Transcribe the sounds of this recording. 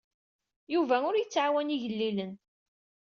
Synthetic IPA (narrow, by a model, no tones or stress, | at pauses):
juvæʊɾjət͡sːʕawæniʝəlːilən